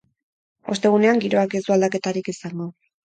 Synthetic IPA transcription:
o̞st̪e̞ɣ̞une̞aŋɡiɾo̞akesuald̪ake̞t̪aɾikisaŋɡo̞

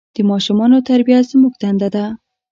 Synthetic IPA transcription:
d̪̥əmɑʃumɑnot̪aɾbijazmuɡ̚d̪and̪ad̪a

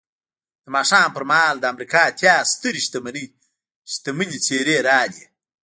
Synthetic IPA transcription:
d̪əmɑːʂɑːmpəɾmahɑld̪əamɾikɑt̪ʰjaːst̪əɾiʃt̪ɐmɐni | ʃt̪ɐmɨnit͡seɾeɾɑːli

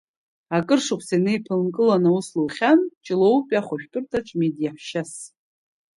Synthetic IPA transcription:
akʼɨrʂɨkʷʰsanɨipʰɨlnkʼɨlanausluːχʲant͡ʃʼɪlowpʲʼaχʷaʃᶣpʰʼɨrtʰaʈ͡ʂʼmedijaħʃas

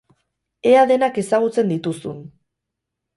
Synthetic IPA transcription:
e̞aðe̞nake̞saɣ̞ut͡se̞nd̪it̪usun

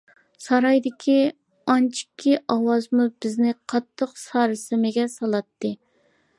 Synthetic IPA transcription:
sɑɾɑjd̪ɪkʲʰi | ɑnt͡ʃʰi̥kʲʰːiʔɑwɑzmubɪznɪqʰɑt̪ʰːəqsɑːɾɨsɪmɪɡʲɛsɑlˠɑt̪ʰːɨ

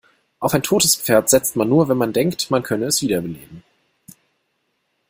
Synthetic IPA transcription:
ʔaʊfaɪntʰoːtəsp͡feːɐtz̥ɛt͡stmanːuːɐvɛnmandɛŋktmankʰœnəɛsv̥iːdɐbəleːbm̩

